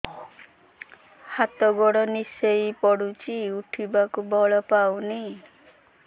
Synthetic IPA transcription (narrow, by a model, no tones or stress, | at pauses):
hat̪ɔɡɔɽɔnisejpɔɽut͡ʃiuʈʰibakubɔɭɔpawni